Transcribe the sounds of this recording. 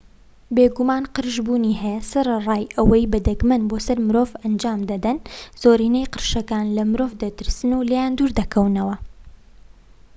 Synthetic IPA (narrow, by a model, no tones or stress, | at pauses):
beːɡumaːnqɨɾʒbuːniːɦɛjɛsɐɾɨrˤɑːjʔɐwɐjbɐd̪ɐɡmɐnboːsɐɾmɨɾoːvɐnd͡ʒaːmd̪ɐd̪ɐnz̥oːɾiːnɛjqɨɾʃɐkaːnlɐmɨɾoːvd̪ɐt̪ɨɾsɨnulejaːnd̪uːɾd̪ɐkʰɐwnɐwɐ